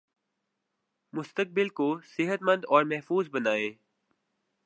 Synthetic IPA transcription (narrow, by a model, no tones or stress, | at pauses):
mʊst̪ək̚bɪlkosɪɦət̪mə̃nd̪ɔːɾmɛɦfuːzbɐnaːeː